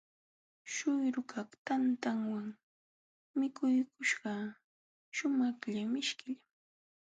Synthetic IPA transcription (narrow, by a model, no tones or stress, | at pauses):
ʃʊjɾʊkɑχt̪ant̪aŋwaŋ | mɪkʊjkʊʃɢɑ | ʃʊmɑχʎamɪʃkɪʎ